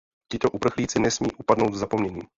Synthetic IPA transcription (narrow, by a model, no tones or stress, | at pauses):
c̪ɪt̪oʔupr̩xliːt͡sɪnɛsmḭːʔupadno̞wd̪vzapomɲɛɲiː